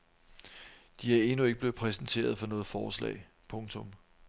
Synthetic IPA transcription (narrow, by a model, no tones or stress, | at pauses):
d̥iæɐe̝nue̝ɡ̥əb̥le̝ːʊ̥pʰʁɛsn̩t͡sʰe̝̰ːɐð̞ˠfɒ̽nɔ̽ːð̩ˠfɒːslɛ̰ːɪ̰ | pʰɔ̽ŋt͡sʰɔ̽m